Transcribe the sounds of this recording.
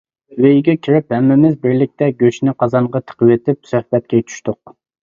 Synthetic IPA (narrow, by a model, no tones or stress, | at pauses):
wejɡʲɛkʲʰiɾɪphɛmːɪmɪzbɪɾlɪk̚ʲt̪ʰɛɡʲøʃnɪqʰɑzɑɴʁɑt̪ʰə̥qʰəwet̪ʰɪp̚sɛhbɛt̪̚kʲɛjt̪ʰy̥ʃt̪ʊq̚